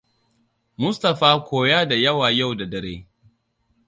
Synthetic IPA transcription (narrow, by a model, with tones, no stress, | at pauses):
mʊ˦stɐ˨ɸaː˦kʷoː˨jaː˦da˨jɐ˦waː˨ja˦˨wda˨dɐ˨ɾḛː˦